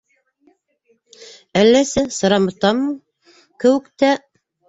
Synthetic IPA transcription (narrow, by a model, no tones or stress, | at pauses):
ælːæsɘsɤ̆ɾɑmɤ̆t̪ɑmːɤ | kɘ̆wɘ̆kt̪æ